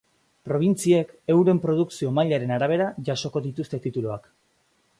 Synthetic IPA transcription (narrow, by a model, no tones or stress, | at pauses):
pɾo̞β̞int͡sie̞ke̞wɾe̞mpɾo̞ð̞uksio̞majʎaɾe̞naɾaβ̞e̞ɾaʝaso̞ko̞ðit̪ust̪e̞t̪it̪uloak